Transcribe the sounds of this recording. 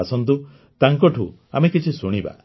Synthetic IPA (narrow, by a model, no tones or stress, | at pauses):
asɔnt̪̬u | t̪aŋkɔʈʰu | a̰mekit͡ʃʰisuɽ̃iba̰